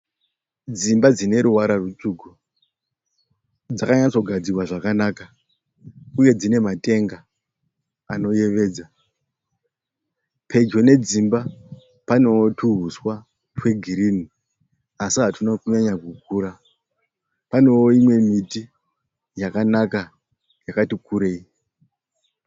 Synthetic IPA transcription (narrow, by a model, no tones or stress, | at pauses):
d͡zimbad͡zine̞ɾuwaɾarut͡ʂuku | d͡zakaɲat͡so̞ɡʱad͡zirwaʐakanaːka | uje̞d͡zine̞mate̞ŋɡa | ano̞je̞ʋe̞ːd͡za | pʰe̞d͡ʒo̞ne̞d͡zimba | pano̞tuɦuswa | twe̞ɡʱiɾini | asiɦatunokuɲaɲakuk̚uːɾa | pano̞oimwe̞miti | jakanaka | jakatikuɾe̞i